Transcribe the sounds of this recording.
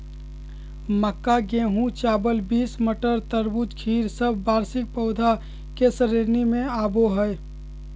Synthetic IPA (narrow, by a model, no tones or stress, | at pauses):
məkːaɡẽːɦũt͡ʃaːbəlbiːsməʈəɾt̪əɾbud͡ʒ̪kʰiːɾsəbʱbaːɾsɪk̚pəʊd̪ʱa | kesəɾeɾnimẽaːboɦəj